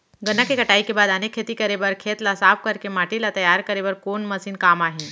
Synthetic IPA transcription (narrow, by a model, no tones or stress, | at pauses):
ɡənakekɐʈaːikebaːd̪anekʰːet̪ikɐɾebəɾkʰeːt̪lasaːp̚kɐɾkemaːʈilat̪ɐjaːɾkɐɾeːbəɾkoːnmɐsiːnkaːmaːɦĩ